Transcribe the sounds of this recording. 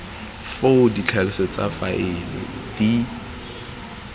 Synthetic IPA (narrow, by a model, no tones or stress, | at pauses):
fodit͡ɬʰalɪsɔt͡sʼa̰faʔɪlɪ̰d̥i